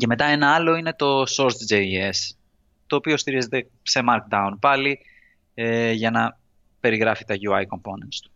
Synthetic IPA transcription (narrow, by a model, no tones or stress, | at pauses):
ce̞me̞t̪ɐe̞nɐɐlo̞ine̞t̪o̞so̞ɾt̪d͡ʒee̞s | t̪o̞ːpio̞st̪iɾize̞t̪e̞ | se̞mɐɾk̚d̪ɐunpɐli | eʝɐnɐ | pe̞ɾiɣɾɐfit̪ɐʝuɐjko̞mpo̞nent̪st̪u̥